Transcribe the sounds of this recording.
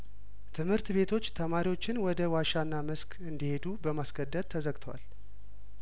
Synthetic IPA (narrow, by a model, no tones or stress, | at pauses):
t̪ʰɨmhɨɾt̪be̞t̪ʰo̞t͡ʃːt̪ʰəmaɾiwo̞t͡ʃːɪnwɔd̪əwaʃanːamɨskʰɨnd̪ihe̞d̪ubəmasɡəd̪ːət̪̚ʰːəzəɡt̪ʰəwa̰l